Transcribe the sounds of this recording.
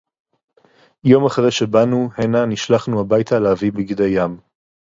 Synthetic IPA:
jo̞maχʁejʃebanuhenaniʃlaχnuabajtʰaleavibiɡid̪ejam

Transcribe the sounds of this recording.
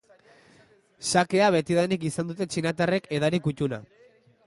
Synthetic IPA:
sake̞aβ̞e̞t̪iðanik̬isand̪ut̪e̞t͡ʃinat̪are̞ke̞ðaɾikut̪una̰

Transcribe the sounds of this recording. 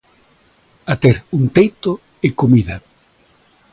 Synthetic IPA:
at̪eɾunt̪ejt̪o | ɪkomiða

